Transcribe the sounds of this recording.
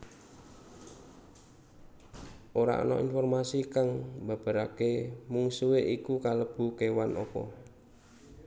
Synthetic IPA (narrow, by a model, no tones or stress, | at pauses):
ʔoɾa̰ʔɔ̰nɔ̰ʔinfɔrmasikaŋba̤b̥a̤ɾakemuŋsuweʔikukaləb̥ṳkewanʔɔpɔ̰